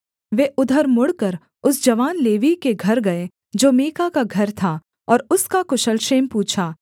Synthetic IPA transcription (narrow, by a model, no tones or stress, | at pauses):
ʋeʔʊd̪ʱəɾmʊɽkəɾ | ʊsd͡ʒɐʋaːnleːʋikeɡʱɐɾɡɐe | d͡ʒoːmeːkakaɡʱɐɾt̪ʰa | ɔːɾʊskakʊʃəlʃeːmpuːt͡ʃʰaː